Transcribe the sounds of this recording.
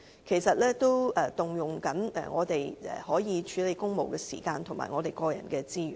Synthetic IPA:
kʰe˨˩jsɐ˨t̚lɛː˥t̪o˥wɛ˨˧t̪ʊ˨˩ŋjʊ˨˩ŋkɐ˨˥nɛ̰˨ŋɔː˨˧t̪e˨jɛ̰˨hɔː˨˥jiː˨˧t͡ʃʰyː˨˥le˨˧jkʊ˥ŋmo˨wkɛː˧sḭː˨˩kaː˧nt̪ʰʊ˨ŋma̰ː˨˩ŋɔː˨˧t̪e˨jkɔː˧jɐ̰˨˩nkɛː˧t͡siː˥jy̰ː˨˩n

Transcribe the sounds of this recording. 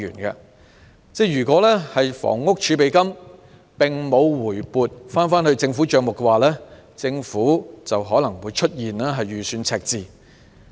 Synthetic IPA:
y̰ː˨˩nkɐ̰˧ | t͡sɛː˥˩jyː˨˩kʷɔː˨˥lɛː˥hɐ˨jfɔ̰ː˨˩ŋːʊ˥k̚t͡ʃʰyː˨˧p̬e˨jkɐ˥m | pɪ˨ŋmo˨˧wwuː˨˩jpuː˨t̚faː˥nfaː˥nhɵ˧ɥt͡sɪ˧ŋfuː˨˥t͡ʃœː˨˧ŋmʊ˨kːɛ˧waː˨˩lɛː˥t͡sɪ˧ŋfuː˨˥t͡sɐ˨wɦɔː˨˥lɐ˨˩ŋwuː˨˧jt͡ʃʰɵ˥t̚jiː˨nlɛː˥ɦɐ˨jɥyː˨syː˨˧nt͡sʰɛː˧k̚t͡siː˨˧

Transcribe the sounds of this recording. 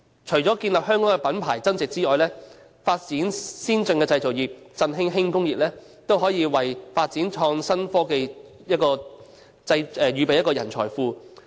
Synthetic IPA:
t͡ʃʰɵ˨˩jt͡sɔː˨˥kiː˧nlɐ˨p̚ɦœː˥ŋkɔː˨˥ŋkɛ˧pɐ˨˥npʰa̰ː˨˩jt͡sɐ˥nt͡sɪ˨k̚t͡siː˥ŋɔː˨jlɛː˥ | faː˧t̚t͡siː˨˥nsiː˥nt͡sɵ˧ŋkɛː˧t͡sɐ˧jt͡so˨wjiː˨˩p̚t͡sɐ˧nɦɪ˥ŋɦɪ˥ŋkʊ˥ŋjiː˨p̚lɛː˥ | t̪o˥wɦɔː˨˥jiː˧wɐ˨˩jfaː˧t̚t͡siː˨˥nt͡ʃʰɔː˧ŋsɐ˥nfɔː˥ke˧ | jɐ˥t̚kɔː˧ | t͡sɐ˧jɛː˨jyː˨˩pe˨jɐ˥t̚kɔː˧jɐ˨˩nt͡sʰɔ̰ː˨˩jfuː˧

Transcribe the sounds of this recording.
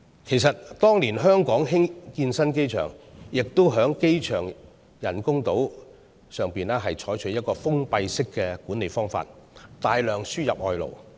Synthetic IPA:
kʰe˨˩jsɐ˨t̚t̪ɔː˥ŋliː˨˩nɦœː˥ŋkɔː˨˥ŋɦɪ˥ŋkiː˧nsɐ˥nke˥jt͡ʃʰœ̰ː˨˩ŋjɪ˨k̚t̪o˥wɦœː˨˥ŋke˥jt͡ʃʰœː˨˩ŋ | jɐ˨˩nkʊ˥ŋt̪o˨˥w | sœː˨ŋpiː˨nɛː˥ɦɐ˨jt͡ʃʰɔː˨˥jt͡ʃʰɵ˨˥jɐ˥t̚kɔː˧fʊ˥ŋpɐ˧jsɪ˥kːɛ˧kuː˨˥ne˨˩jfɔː˥ŋfa̰ː˧t̚t̪aː˨jlœː˨ŋsyː˥jɐ˨p̚ʔɔː˧jlo̰˨˩w

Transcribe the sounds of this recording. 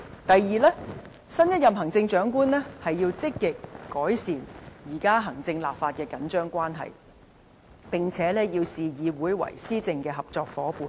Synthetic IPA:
t̪ɐ˨jːiː˨lɛː˥ | sɐ˥njɐ˥t̚jɐ˨mɦɐ˨˩ŋt͡sɪ˧ŋt͡ʃœː˨˥ŋkuː˥nlɛː˥hɐ˨jːiː˧wt͡sɪ˥kːɪ˨kːɔː˨˥jsiː˨˩njiː˨˩kaː˥ɦɐ˨˩ŋt͡sɪ˧ŋlaː˨p̚faː˧t̚kɛː˧kɐ˨˥nt͡ʃœː˥ŋkʷaː˥nɦɐ̰˨j | pɪ˨ŋt͡sʰɛː˨˥lɛː˥jiː˧wsiː˨jiː˨˧wuː˨˥jwɐ̰˨˩jsiː˥t͡sɪ˧ŋkɛː˧ɦɐ˨p̚t͡sɔː˧k̚fɔː˨˥puː˨˩n

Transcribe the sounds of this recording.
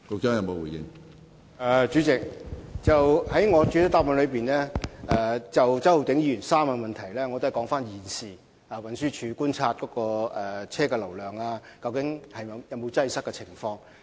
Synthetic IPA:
ko˧k̚t͡ʃœː˥ŋjɐ˧mo˨˧wu˨˩jɪ̰˧ŋ | ʔɛː˨t͡ʃyː˨˥t͡sɪ˨k̚t͡sɐ˨whɐ˨˥jŋɔː˨˧t͡ʃy˨˥tɐ˨˥t̪aː˥p̚mɐ˨˧nlɵ˨˧piː˨nɛː˥ʔɛː˧t͡sɐ˨wt͡sɐ˥wt̪ɪ˨˥ŋjiː˧˩y˨˩nsaː˥mːɐ˧mɐ˨nt̪ʰɐ˨˩jlɛː˥ŋɔ˨˧t̪o˥˨jkɔː˨˧˥ŋfaː˥njiː˨˩nsiː˨˩ | aː˨wɐ˨nsyː˥t͡ʃʰyː˨˧kuː˥nt͡sʰaː˧t̚kɔː˨˥kɔː˧ʔɛ˨t͡sʰɛː˥kɛ˧lɐ˨˩wlœː˨˩ŋaː˧kɐ˧wkɪ˨˥ŋhɐ˨jɐ˨˧jɐ˨˧wmo˨˧wt͡sɐ˧jsɐ˥kːɛ˧t͡sʰɪ˨˩ŋfɔː˧ŋ

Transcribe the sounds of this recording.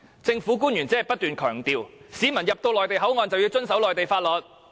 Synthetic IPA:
t͡sɪ˧ŋfuː˨˥k̬uː˥njy˨˩nt͡sɛː˥ɛ˨˩pɐ˥t̚t̪yː˨nkʰœː˨˩ŋt̪iː˨wsiː˨˧mɐ˨˩njɐ˨p̚t̪o˧wlɔː˨jt̪e˨˩jɦɐ˨˥wŋɔː˨˧nt͡sɐ˨wjiː˧wt͡sɵ˥nsɐ˨˥wlɔː˨jt̪e˨jfaː˧t̚lɔː˨˩t̚

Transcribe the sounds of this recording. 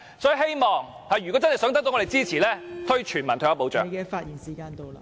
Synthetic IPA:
sɔː˨˧˥jɦe˥jmɔː˨˩ŋ | ha˨˩jy˨kɔ˨˥t͡sɐ˥nhɐ˨jsœː˨˥ŋt̪ɐ˥k̚t̪o˧˥ŋɔː˨˧˨jt͡siː˥t͡sʰiː˨˩lɛː˥t̪ʰɵ˥ɥt͡ʃʰyː˨˩nmɐ˨˩nʰ˧jaː˨˧˩po˨˧wt͡ʃœː˨jkɛː˧faː˧t̚jiː˨˩nsiː˨˩kaː˧nt̪o˧wla˧

